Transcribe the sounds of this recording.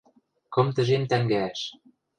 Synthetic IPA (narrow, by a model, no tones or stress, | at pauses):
kɤ̆mt̪ə̆ʒemt̪æŋɡæːʃ